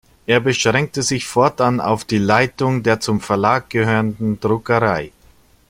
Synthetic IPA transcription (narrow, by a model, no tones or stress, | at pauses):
ʔeːɐbəʃʁ̥ɛŋk̚təzɪçfɔɐtʔana̰ʊfd̥iːlaɪtʊŋdeːɐt͡sʊmfɛɐlaːk̚ɡ̥əhøːʁəndn̩dʁʊkəʁaɪ